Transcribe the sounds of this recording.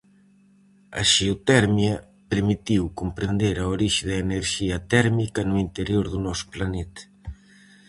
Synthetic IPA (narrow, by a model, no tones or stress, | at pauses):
ɐ̰ʃeot̪ɛɾmjɐ | peɾmit̪iwkumpɾend̪eɾɐoɾiʃɪðɐeneɾʃiɐt̪ɛɾmikɐnuint̪eɾjoɾðunɔsu̥planɛt̪ɐ̥